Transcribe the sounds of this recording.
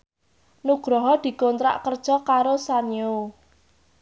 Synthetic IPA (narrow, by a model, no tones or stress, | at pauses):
nuɡ̥ɾɔɦɔd̪̥i̤kont̪ɾa̰ʔkərd̥ʒ̥ɔ̤kaɾosanio